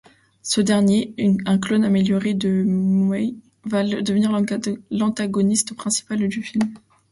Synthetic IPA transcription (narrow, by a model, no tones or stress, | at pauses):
səd̪ɛʁnjeɛ̃klonameljɔʁed̪əmɛj | vald̪əvəniʁlɑ̃t̪aɡɔnist̪pχɛ̃si̥pald̪yfilm